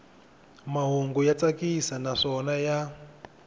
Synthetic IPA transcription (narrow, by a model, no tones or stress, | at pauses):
maɦuŋɡujat͡sakisanaʂɔnaja